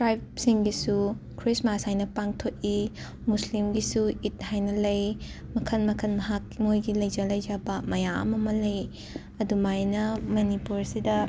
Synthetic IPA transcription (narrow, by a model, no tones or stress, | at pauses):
tɾajbsiŋɡisu | kʰɾismasajnɐpaŋtʰot̚i | muslimɡisuit̚hajnɐlɐjmɐkʰɐnmɐkʰɐnmɐɦakmojɡilɐjd͡ʒɐlɐjd͡ʒabɐmɐjaɐ̰mɐmɐlɐj | ɐdumajnɐmɐnipuɾsidɐ